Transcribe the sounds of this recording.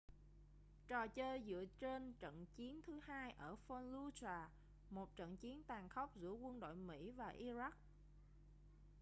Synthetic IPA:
t͡ɕɔ˨˩t͡ɕəː˧jzɨ̰˧˨ət͡ɕe˧nt͡ɕə̰˧˨nt͡ɕi˨˦ənt̪ʰɨ˨˦hɦaː˧jʔəː˧˩fɔ˧nlu˧t͡ɕaː˨˩ | mo˨˩t̚t͡ɕə̰˧˨nt͡ɕi˨˦ənt̪aː˨˩ŋxə˦˥wk͡p̚zɨ̰˧˥əkwə˧nɗo̰˧˨jmḭ˧˥vaː˨˩ʔi˧za˦˥k̚

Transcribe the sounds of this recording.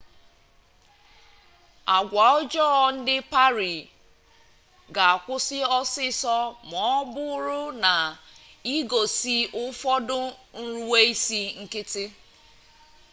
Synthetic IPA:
a˨ɡʷa˨ʊ˦d͡ʒɔ˦ɔ˨n̩˦dɪ˦pa˦ɾi˨ | ɡa˨a˨kʷʊ˦sɪ˦ɔ˦sɪ˦sɔ˦mɔ˨˦bʊ˦ɾʊ˦na˨i˦ɡo˨si˦ʔʊ˦fɔ˦dʊ˦n̩˦ɾu˦we˦i˦si˦ŋ̩˦kɪ˦tɪ˦

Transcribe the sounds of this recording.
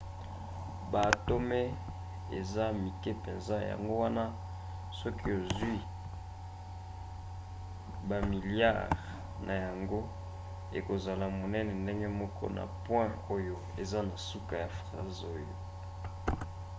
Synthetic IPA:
ba˨to˦me˦ | ḛ˨za˦mi˨kɛ˦pɛ˨nza˦˨ja̰˨ŋɡo˦wa˦na˦ | sɔ˦ki˦o˨zwi˦ | ba˨mi˨lja̰˦ʁ | nʔa˨ja˨ŋɡo˦ | e˨ko˨za˨la˨mo˨nɛ˦nɛ˨nde˦ŋɡe˦mɔ˦kɔ̰˦na̰˨pwɛ̃˦o˦jo˨ | e˨za˦na˨su˦ka˨ja˨fʁa̰˦zo˦jo̰˨

